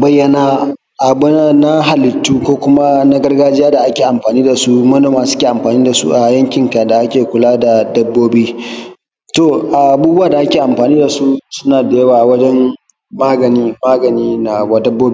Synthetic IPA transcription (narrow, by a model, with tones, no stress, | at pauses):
bɐ˦jːɐ˦na˦ | ʔa˨bʊ˦na˦na˦ɦa˨lɪ˨tːuː˦kʷoː˦kʷʊ˦ma˦na˦ɡɐ˦rɡaː˦d͡ʒɪ˦jaː˦da˨ʔa˦kʲeː˨ʔa˨mɸaː˨niː˦da˨su˦mɐ˦noː˨maː˨sʊ˦kʲeː˨ʔa˨mɸaː˨niː˦da˨sṵ˦ʔa˨jɐ˦ŋkʲɪ˨ŋka˨da˨ʔa˦kʲeː˨kʷʊ˨laː˦da˨dɐ˦bːoː˦biː˦ | to˨ʔa˨ʔa˨buː˦bʊ˦wa˨da˨ʔa˦kʲeː˨ʔa˨mɸaː˨niː˦da˨su˦sʊ˦naː˨da˨jɐ˦waː˨wɐ˦d͡ʒɛ˦m | maː˦ɡɐ˨niː˦maː˦ɡɐ˨niː˦na˨wa˨dɐ˦bːoː˦bi˦